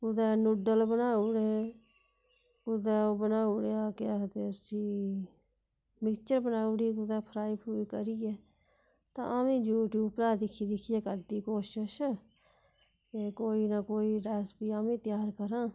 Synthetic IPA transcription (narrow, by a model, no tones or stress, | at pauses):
ʊd̪ɛːnʊɖəlbənaːʊɽe | ʊd̪ɛːobənaːʊɽeaːket̪esiː | mɪkt͡ʃəɾbənaːʊɽikʊd̪ɛːpʰəɾaːiːpʰuːikəɾijeː | t̪ã̰ːʔamẽːd͡ʒuːʈjuːbpɾaːd̪ɪkʰiːd̪ɪkʰijeːkəɾd̪iːkoːʃəʃ | kekoːiːnakoːiːɾɛːspiːaːmẽːt̪jaːɾkəɾãː